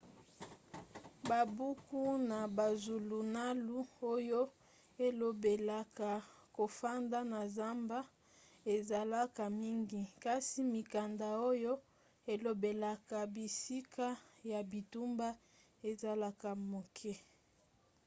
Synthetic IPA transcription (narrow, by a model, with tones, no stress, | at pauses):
ba˨bu˦ku˦na˨ba˨zu˨lu˨na˦lu˦o˦jo˦ | e˨lo˨be˨la˨ka˨ | ko˨fa˦nda˦na˨za˦mba˦ | e˨za˨la˦ka˨mi˦ŋɡi˦ka˦si˦mi˨ka˨nda˨o˦jo˦ | e˨lo˨be˨la˨ka˨bi˨si˦kʰa˦ja˨bi˨tu˦mba˦ | e˨za˨la˦ka˨mo˨kʰɛ˦